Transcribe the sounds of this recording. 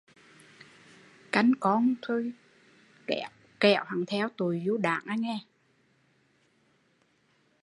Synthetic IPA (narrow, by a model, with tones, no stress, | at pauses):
ka˨˩jŋkɔ˧˦nt̪ʰo˧j | kɛ˧˩ | kɛ˧˩˥wha˨˩ŋt̪ʰɛ˧˥wt̪u˨˩jzu˧˦ɗa̰ː˧˨ŋʔaː˧jŋɛ˧